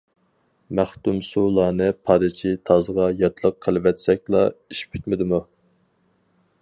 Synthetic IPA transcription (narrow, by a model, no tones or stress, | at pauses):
mæχt̪umsulˠɑːnɨpʰɑɾɨt͡ʃʰit̪ʰɑzəʁɑjɑt̪ʰlˠəqʰːəlˠɨvɛt̪sɛk̚ʲlˠɑ̰iʃi̥p̚kʰʲi̥t̪mɪd̪ɪmu